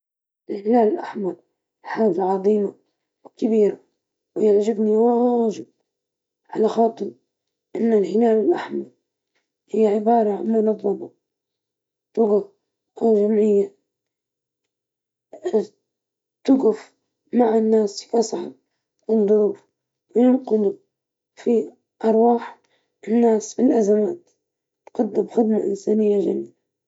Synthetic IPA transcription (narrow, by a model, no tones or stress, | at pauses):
ʔɪlhɪlaːlɪlʔa̰ħmɑɾˤ | ħaːd͡ʒaʕɑðˤiːma | wkabiːɾa | wjɪʕd͡ʒɪbniwaaʒɪb̚ | ʕalaxɑːt̪ˤɨɾ | ʔɪnːalhɪlaːlɪlʔaħmɑɾˤ | hɪjːaʕɪbɑːɾˤɑʕa̰nmʊnɑðˤːɑmɑ | t̪ʊɣaf | ʔawʒamʕɪjːa | t̪ʊɣʊf | maʕanːaːsiʔɑsˤʕɑ̰ɾ | wɪnd̪ˤʊɾuːf | wɪjʊmqɪd̪ʊ | fi | ʔɑɾˤwɑːħ | ʔɪnːaːsbɪlʔazamaːt̪ | t̪qɑd̪ːɪmxɪd̪maʔɪ̰nsaːnɪjːaʒa̰mia